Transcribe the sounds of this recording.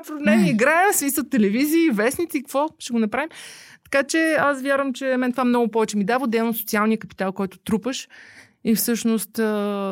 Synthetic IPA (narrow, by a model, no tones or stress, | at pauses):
pɾnɛmiiɡɾaɛmsmisət̪ːɛlɛviziːvɛsnit̪sʲikɐ̥kvɔʃɛɡonɐpɾavimt̪ɐ̥kat͡ʃɛasvʲjaɾvəmt͡ʃɛmɛnt̪ovamnɔɡʊpɔvɛt͡ʃɛmid̪avod̪ɛlˠnosot̪sialˠnijəkɐpi̥t̪alˠkɔjt̪ʊ̥t̪ɾupəʃ | ifsɤʃnost̪ə